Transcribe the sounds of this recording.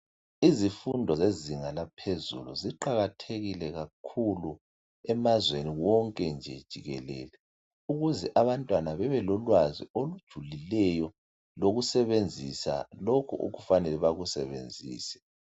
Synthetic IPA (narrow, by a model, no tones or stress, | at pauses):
izifundʱɔzeziŋalapʰezṵlṵziǃaɣatʰeɣilɛɣakʰulu | ɛmazweniwɔŋkʼɛnd͡ʒʱɛ̰d̥ʒ̥ʱiɣɛ̰lɛ̰ːlɛ | uɣuzɛʔaβantʼwanaβɛβɛlɔlwaziolud̥ʒ̥ʱulilɛjɔ | loɣusɛβend͡zʱisa̰lokʰuʔo̰ɣufanɛlɛβaɣusɛβḛnd͡zʱḭːsɛ̥